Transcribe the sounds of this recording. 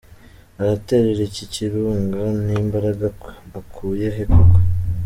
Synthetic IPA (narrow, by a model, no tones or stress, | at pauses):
aɾate̞ɾeɾeciciɾuːŋɡanimbaɾaɡakwe̥βakʰuːjeɦekoka